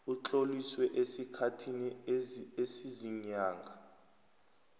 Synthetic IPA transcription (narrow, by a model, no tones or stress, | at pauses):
ut͡ɬʼoliswɛʔesikʰatʰiniesiziɲaːŋɡʱa